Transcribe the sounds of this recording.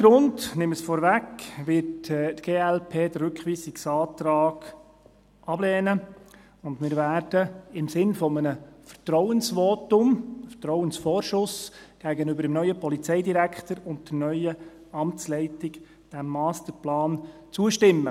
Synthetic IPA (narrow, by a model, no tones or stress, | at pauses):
ɡ̥ɾʊndnɪməsfɔːɾvækʋɪɾtːtɡ̥eːɛlpʰeːdəɾʉkχʋiːsɪksɑːt̪ɾɑːɡ̥ | ɑblɛːnə | ʊndmɪːɾvæːɾd̥əɪmsɪnfɔmənəfəɾtɾɔwənsʋɔːtʊmfətɾɔʊənsfɔːɾʃʊsɡ̥æːɡənʏbəɾdɛmnœʏəpɔlit͡sɛɪdiɾækχtəɾʊnt̚d̥ənœʏə | ɑmtt͡slɛɪtɪɡ | d̥æmːɑːst̪əɾplɑːnt͡suəʃtɪmːə